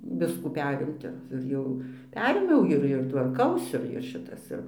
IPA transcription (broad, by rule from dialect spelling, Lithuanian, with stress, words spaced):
ˈʋʲɪskuː ˈpʲæːrʲɪmʲtʲɪ ɪr ˈjɛʊ ˈpʲæːrʲeːmʲɛʊ ˈɪr ɪr tʋɐrˈkɐʊsʲɪ ɪr ˈʃʲɪtɐs ˈɪr